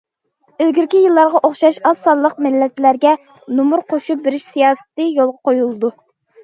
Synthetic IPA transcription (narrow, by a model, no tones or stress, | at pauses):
øzɡʲiɾkʲijilˠːɑɾʁɑʔoχʃɑʃɑsːɑllˠːəq̚mɪlːɛt̪læɾɡʲɛ | numuɾqʰoʃup̚beɾɪʃsijɑːsɨ̥t̪ɨjolˠʁɑqojulˠɨd̪u